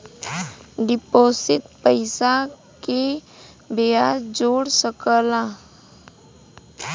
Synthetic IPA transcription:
ɖɪpoːsɪt̪pəɪsa | ke | bɪjaːɾd͡ʒoːɽsəkəlã

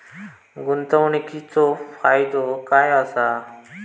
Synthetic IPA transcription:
ɡunt̪əwɳikʰit͡sofajd̪okajasa

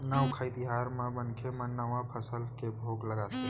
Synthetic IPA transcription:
nawkʰait̪ɪɦaːɾmãbənkʰemɐ̃nəʋãpʰəsəlkebʱoːɡləɡase

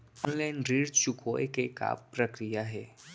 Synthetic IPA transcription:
ɔnlanɾiɽt͡ʃukʰojkeka̰pɾəkɾijaɦe

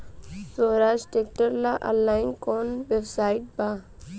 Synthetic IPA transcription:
soːɾaːʃʈek̚ʈəɾlaʔɐ̰lːaːɪnkoːnʋewsaːɪʈ̚baː

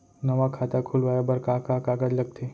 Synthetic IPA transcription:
nəʋakʰat̪akʰulʋajabəɾkakakaɡad͡ʒləɡ̚t̪ʰe

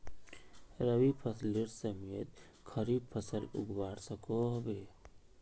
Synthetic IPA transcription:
ɾəwipʰəsliɾsəmijət̪ | kʰəɾipʰəsəlʊ̰ɡʱbaːɾsəkoɦbeː

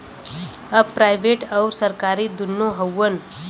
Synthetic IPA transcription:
əpɾajʋʱeʈəwɾsəɾkaɾiːd̪unːoɦəwːən

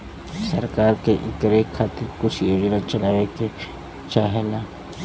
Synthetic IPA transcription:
saɾkaɾkeʔikaɾekʰat̪ikut͡ʃioʐiɾãt͡ʃanãβeke | t͡ʃaɦenã

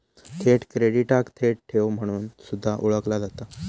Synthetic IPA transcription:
t̪ʰeʈkɾeɽiʈakt̪ʰeʈ̚ʈʰeʋm̤əɽ̃uːnsud̪ʱːaʔuɭəklad͡zat̪a

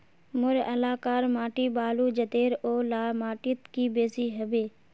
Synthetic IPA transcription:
mʊɾəlaːkaːɾmaːʈiːbaːluːd͡ʒət̪eːɾoːlaːmaːʈɪt̪kiːbeːziːɦəbeː

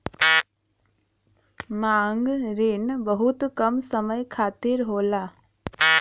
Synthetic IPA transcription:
mãːŋɡɾɪnbəɦut̪kəmsəməjkʰaːt̪ɪɾɦoːlaː

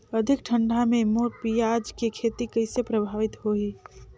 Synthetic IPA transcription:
əd̪ʱɪk̚ʈʰə̃ɳɖʱamẽmoːpijad͡ʒkekʰeːt̪ikɐɪsepɾəbʱaːʋɪt̪hoiː

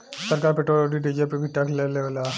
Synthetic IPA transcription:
səɾkaːɾpeʈɾoloɖiɖid͡ʒepibʱiʈɐkleleʋola

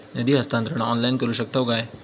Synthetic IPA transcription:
nəd̪ʱiɦɐst̪ãːnt̪ɾəɽ̃ɔːnlaɪnkɐɾuʃək̚t̪aɦoɡaːeː

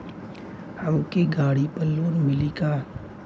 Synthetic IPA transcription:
həmkeɡaːɽipəlːoːɾmɪlikaː

